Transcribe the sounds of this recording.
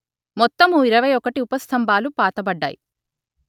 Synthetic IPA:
mɔt̪ːɐmuiɾɐʋɐjɔkɐʈiupɐst̪ʰɐmbʱaːlupaːt̪ɐbɐɖːa̰ːjḭ

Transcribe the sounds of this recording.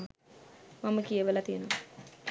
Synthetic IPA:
maməkijəʋəlat̪ijənom

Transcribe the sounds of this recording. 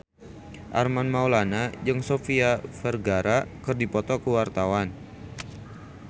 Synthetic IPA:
ʔa̰rmanmawlanad͡ʒəŋsofiafɛrɡaɾakərdipɔt̪ɔkəwart̪awan

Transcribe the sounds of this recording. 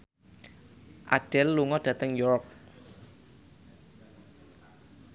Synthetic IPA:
ʔa̰ɖ̥ɛlːuŋɔɖ̥ä̤t̪əŋjɔɾɔk̚

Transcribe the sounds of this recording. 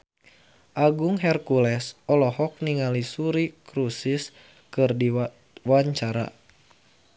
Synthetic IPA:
ʔaɡuŋɦɛrkulɛsɔlɔhɔk̚niŋalisuɾikɾusis | kɨrdi | waɲt͡ʃaɾa̰

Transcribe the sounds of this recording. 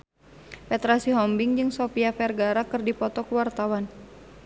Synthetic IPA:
pɛt̪ɾasiɦɔmbɪŋd͡ʒɨŋsopiafɛrɡaɾakɨrdipɔt̪ɔkəwart̪awan

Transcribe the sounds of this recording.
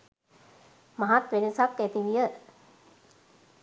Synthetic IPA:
maɦat̪ʋenəsakːæt̪iʋijə

